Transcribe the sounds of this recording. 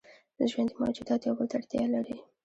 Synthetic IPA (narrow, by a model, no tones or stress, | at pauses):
d̪əʒwand̪ima̰ad͡ʒud̪ɑt̪jawbəlt̪aɽt̪jɑlaɾi